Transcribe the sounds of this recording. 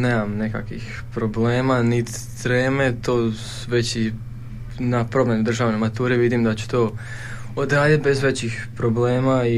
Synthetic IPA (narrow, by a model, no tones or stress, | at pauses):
neːmamne̞ka̰kʋḭx | pɾo̞ble̞ːmanit̪ | t̪ɾeːmet̪oːsuʋe̞t͡ɕi | napɾo̞bmʲenud̪r̩ʒaːʋnemat̪uːɾeʋid̪imd̪at͡ɕu̥t̪oː | od̪ɾaːd̪jit̪̚be̞zʋet͡ɕixpɾoble̞ːmai